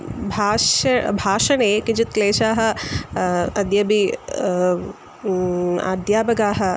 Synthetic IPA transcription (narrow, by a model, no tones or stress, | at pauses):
bʱaːʃbʱaːʃɐneːkɪd͡ʒɪt̪̚kleːʃaːɦɐ̆ | ɐd̪jɐbi | a̰ːd̪jaːbɐɡaːɦɐ̆